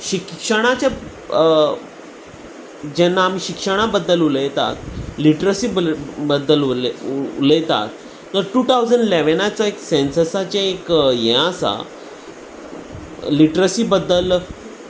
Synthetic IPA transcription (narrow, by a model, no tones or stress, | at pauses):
ɕikkʂəɽ̃at͡ɕja | d͡ʑɛnːaːmiːɕikʂəɽ̃abəd̪ːəluləjt̪a̰t̪liʈɾəsiːbəd̪ːəl | ṵləjt̪a̰t̪ː | əɾʈuːt̪awd͡zəɳɖileʋənat͡saeksensəsat͡ɕaekjɛ̃asa̰ | liʈɾəsiːbəd̪ːəl